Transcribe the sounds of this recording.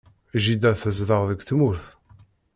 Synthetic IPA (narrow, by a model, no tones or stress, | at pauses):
ʒid̪æθəzðəʁðəɡʷθmuɾθ